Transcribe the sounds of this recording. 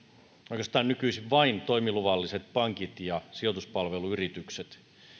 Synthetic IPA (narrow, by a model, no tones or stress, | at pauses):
oikest̪ɑːnnykyisiʋʋɑint̪oimiluʋɑlːiset̪̚pɑŋkit̪jɑsiot̪uspɑlʋeluyrit̪ykset̪